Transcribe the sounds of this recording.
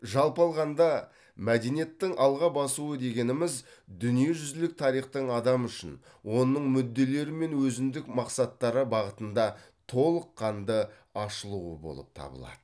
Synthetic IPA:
ʒɑlˠpɑlˠʁɑnd̪ɑ | mæd̪enije̞t̪ːɪŋʔɑlˠʁɑbɑsuəd̪e̞ɡʲe̞nɪmɪzd̪ʏnije̞ʒʏzlɪk̚t̪ʰɑɾijχt̪əɴɑd̪ɑmʏʃɪn | wo̞nəɴmʏd̪ːe̞le̞ɾɪme̞nwɵzɪnd̪ɪkmɑqsɑt̪ːɑɾəbɑʁət̪ənd̪ɑ | t̪ʰo̞lˠəqʰːɑnd̪ə | ɑʃəlˠuəbo̞̰lˠə̰p̚t̪ʰɑ̰bə̰lˠɑ̰d̪̥ə

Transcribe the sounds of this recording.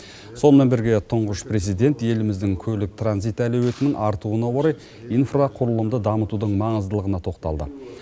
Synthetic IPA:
so̞nmenbɪɾɡʲe̞t̪ʰʊɴʁəʃpre̞zijd̪e̞nt̪je̞lɪmɪzd̪ɪŋkʲʰɵlɪk̚t̪ʰranzijt̪ælewe̞t̪ɪnɪŋʔɑɾt̪uənɑwo̞ɾɑj | ijnfraqʰʊɾəlˠəmd̪əd̪ɑmət̪ud̪əɴmɑɴəzd̪əlˠəʁənɑt̪ʰo̞qt̪ɑ̰lˠd̪ə̰

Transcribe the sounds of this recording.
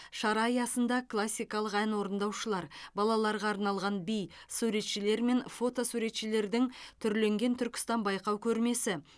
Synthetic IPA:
ʃɑɾɑijɑsənd̪ɑkʰlˠasʲːijkɑlˠəqænwo̞ɾənd̪ɑwʃəlˠɑɾbɑlˠɑlˠɑɾʁɑːɾnɑlˠʁɑnbijsuɾe̞t̪ʃɪle̞ɾme̞nfo̞t̪o̞suɾe̞t̪ʃɪle̞ɾd̪ɪŋt̪ʰʏɾle̞ŋɡʲe̞nt̪ʰʏɾkʲɪ̥st̪ɑnbɑjqɑwkʲʰɵɾme̞sɪ

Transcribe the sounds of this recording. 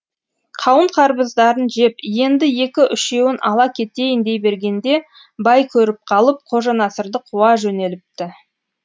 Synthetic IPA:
qʰɑwəɴqʰɑɾbəzd̪ɑɾənʒe̞pje̞nd̪ɪje̞kʲɪʔʏʃe̞wɪnʔɑ̰lˠɑkʲʰe̞t̪e̞jɪnd̪e̞jbe̞ɾɡʲe̞nd̪e̞ | bɑjkʲʰɵɾɪp̚qʰɑlˠəp̚qʰo̞ʒɑnɑsəɾd̪əqʰuwɑʒɵne̞lɪp̚t̪ɪ

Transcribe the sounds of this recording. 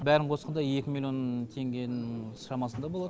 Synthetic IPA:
bæɾɪɴqʰo̞sqɑnd̪ɑje̞kʲɪmilʲˠjo̞nt̪ʰe̞ŋɡʲe̞jnɪŋsʃɑmɑsənd̪ɑbolˠɑd̪ə

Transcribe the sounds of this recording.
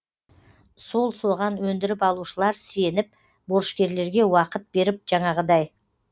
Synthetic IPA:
so̞lˠso̞ʁɑnwɵnd̪ɪɾɪpɑlˠuʃəlˠɑɾsje̞nɪp̚ | boɾʃkʲe̞ɾle̞ɾɡʲe̞wɑqət̪̚be̞ɾɪp̚ʒ̥ɑɴɑʁəd̪ɑj

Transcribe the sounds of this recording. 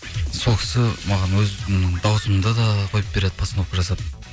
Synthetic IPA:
so̞lˠkʰʲɪ̥sɪmɑʁɑnwɵzd̪ɑwəsəmənd̪ɑd̪ɑqʰojəp̚be̞ɾe̞d̪ɪpʰɑsənowqəʒɑsɑp̪

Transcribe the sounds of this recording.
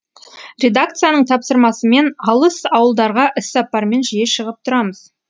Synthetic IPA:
ɾʲe̞d̪ak̚t̪sɨjanəɴt̪ʰɑpsəɾmɑsəme̞nɑlˠəsɑwəlˠd̪ɑɾʁɑʔɪsɑpːɑɾme̞nʒije̞ʃəʁəp̚t̪ʰʊɾɑməz̥

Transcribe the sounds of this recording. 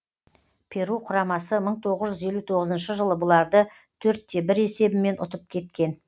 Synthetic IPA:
pʲʰe̞ɾuqʰʊɾɑmɑsəməɴt̪ʰo̞ʁəzʒʏze̞lut̪ʰo̞ʁəzənʃəʒəlˠəbʊlˠɑɾd̪ə | t̪ʰɵɾt̪ːe̞bɪɾe̞se̞bɪme̞nʔʊ̰t̪əp̚kʲʰe̞t̪kʲe̞n

